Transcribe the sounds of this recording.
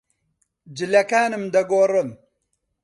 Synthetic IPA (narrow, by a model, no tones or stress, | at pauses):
d͡ʒɪlɐkaːnɨmd̪ɐɡoːrɨm